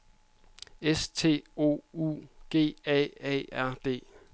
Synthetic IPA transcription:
est͡sʰe̝̰ːo̝̰ːṵɡ̥e̝̰ːɛ̰ɛ̰æɐ̰d̥e̝̰ː

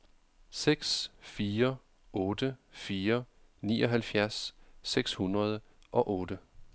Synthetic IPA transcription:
seɡ̥sfiːɐ | ʔɔ̽ːd̥əfiːɐ | nḭːʔɒ̽ɦælfjæɐsːeɡ̥shunʁɐð̞ˠ | ʔɒ̽ʔɔ̽ːd̥ə

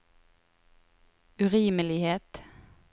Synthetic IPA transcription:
ʉʁiːməlɪheːt̪

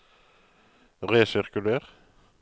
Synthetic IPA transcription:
ʁeːsɪʁkʉleːʁ

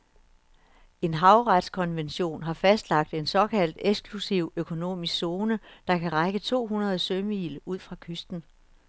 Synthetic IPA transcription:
e̝nɦɑ̈ʊʁad̥skʰɒ̽nʋenɕo̝̰ːnɦɑ̈fæsd̥lɑ̈ɡ̥̚d̥e̝nsɒ̽kʰæl̰d̥eɡ̥sɡ̥ʰlusiʊ̰økʰo̝no̝̰ːmisɡ̥so̝ːnəd̥ɑ̈kʰæʁɑ̈ɪɡ̥ət͡sʰo̝̰ːɦunɐð̞̩ˠsøməḭːluð̞̰ˠfʁɑ̈kʰøsd̥n̩

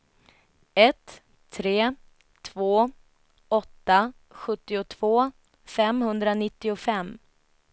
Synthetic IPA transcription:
ɛt̪ʰː | ɾeː | t̪ʰvoː | ɔt̪ːa | ɧɵt̪ːɪʊt̪ʰv̥oː | fɛmhɵnd̪ɾanɪt̪ːɪʊfɛmː

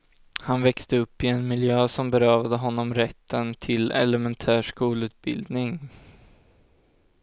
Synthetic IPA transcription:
hanvɛkst̪əɵpːɪɛnmɪljøːsɔmbɛɾœːvad̪əɦɔnːɔmɾɛt̪ʰːənt̪ʰɪlɛ̰lɛmɛnt̪ʰæːʂkuːlʉ̟ːt̪̚bɪ̰ld̪nɪŋ

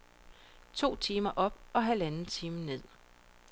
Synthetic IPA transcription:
t͡sʰo̝̰ːt͡sʰiːmɐʔɒ̽b̥ɒ̽ɦælænn̩t͡sʰiːməne̝ð̞̰ˠ

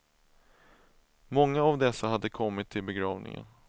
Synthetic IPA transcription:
mɔŋːaːvd̪ɛsːahad̪ːəkʰɔmːɪt̪ʰːɪlbɛɡɾɑːvnɪ̰ŋə̰n

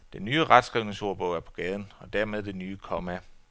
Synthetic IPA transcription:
d̥enːyːəʁɑd̥sɡ̥ʁiʊneso̝ɐb̥ɔ̽ʊ̰æɐpʰɒ̽ɡ̥ɛːð̞ˠn̩ɒ̽d̥æɐmeð̞ˠd̥e̝nyːəkʰɒ̽mæ

